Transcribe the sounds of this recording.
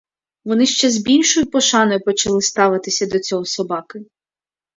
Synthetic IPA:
ʋɔnɪʃt͡ʃɛzbʲilʲʃɔjʊpɔʃɑnɔjʊpɔt͡ʃɐlˠɪst̪ɑʋɪt̪ɪsʲɐd̪ɔt͡sʲɔɦɔsɔbɑkɪ

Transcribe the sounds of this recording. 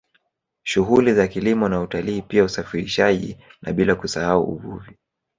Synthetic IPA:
ʃuɦulizakilimɔnautaliːpiausafiɾiʃaʄḭna̰ɓilakusahaṵṵvuvi

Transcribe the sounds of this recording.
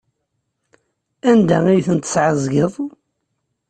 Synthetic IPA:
ænd̪æijθənt̪ə̥sʕəzɡəðˤ

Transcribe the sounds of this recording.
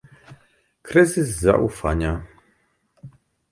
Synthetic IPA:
kɾɘzɘzːa̰ʔufaɲa

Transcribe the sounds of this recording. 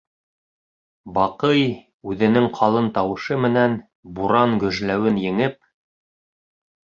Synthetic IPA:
bɑqɤj | ʉðɘ̆nɘŋqʰɑlˠɤnt̪ɑwɤ̆ʃɤmɘ̆næn | buɾɑŋɡɵ̆ʒlæwɘnjɘ̆ŋɘp̚

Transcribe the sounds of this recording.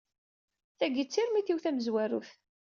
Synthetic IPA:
θæɡit͡sːiɾmiθiwθæməzwæɾṵθ

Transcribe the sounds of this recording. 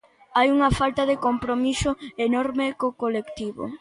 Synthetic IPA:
ajuŋɐfalt̪ɐðekompɾomisʊenɔɾmekokolekt̪iβo̰

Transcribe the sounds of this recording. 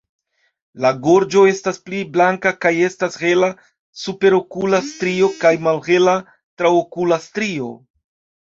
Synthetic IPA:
laɡo̞ɾd͡ʒo̞e̞staspliblaŋkakaje̞stashe̞la | supe̞ɾo̞kulastɾio̞kajmalhe̞la | tɾawokulastɾio̞

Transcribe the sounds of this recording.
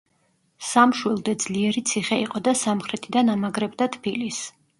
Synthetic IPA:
samʃwilˠd̪ɛd̪z̥liɛɾit̪sʰiχɛiqʼɔd̪asamχɾɛt̪ʰid̪anamaɡɾɛbd̪at̪ʰbilis

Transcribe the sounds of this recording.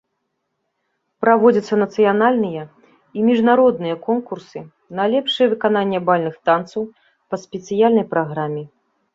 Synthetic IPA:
pɾavɔd͡zʲɐt̪sːɐnɐt̪sɨjanalʲnɨjɐ | imʲiʐnaɾɔd̪nɨjɐkɔnkursɨ | nalʲɛpʂɨjɛvɨkan̪anʲːɛbalʲnɨxt̪ant̪sɐw | pɐsʲpʲɛt̪sɨjalʲnɐjpɾaɣɾamʲɛ

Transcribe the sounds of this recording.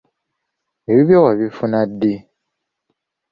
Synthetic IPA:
eβiβjowaβifunadːi

